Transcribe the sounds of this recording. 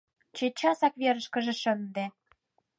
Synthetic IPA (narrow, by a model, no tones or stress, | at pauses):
t͡ɕet͡ɕɑsɑkβeɾə̆ʃkə̆ʒĕʃə̆nd̪ĕ